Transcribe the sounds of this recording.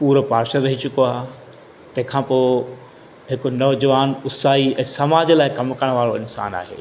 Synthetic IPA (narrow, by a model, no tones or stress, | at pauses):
puːɾəpaːɾʃəɾɐɦit͡ɕʊkoaːɦ | t̪ɐ̃ɦɪ̃kʰãːpoː | ɦɪkʊ̆nɐʋd͡ʑɐʋaːnʊsaːiɛ̃ːsɐmaːd͡ʑəlaːɪkɐmkəɽ̃ʋaːɾoɪnsa̰ːna̰ːɦḛː